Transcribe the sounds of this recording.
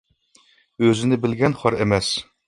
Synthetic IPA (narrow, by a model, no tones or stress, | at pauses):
øzɪnɪbɪlɡʲɛnχɑɾemɛs